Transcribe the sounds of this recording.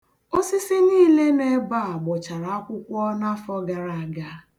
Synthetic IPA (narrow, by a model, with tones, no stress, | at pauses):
o˦sɪ˦sɪ˦niː˦le˦ne˦ba˦a˨ɡ͡bʊ˨t͡ʃa˨ɾa˨a˦kʷʊ˦kʷɔ˦na˦fɔ˦ɡa˨ɾa˨a˨ɡa˦